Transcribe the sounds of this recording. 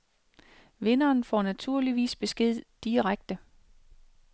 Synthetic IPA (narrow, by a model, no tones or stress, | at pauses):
ʋe̝nɐːnfɒnæt͡sʰuɐ̰liʋḭːsb̥e̝sɡ̥e̝ð̞̰ˠd̥iʁaɡ̥̚d̥ə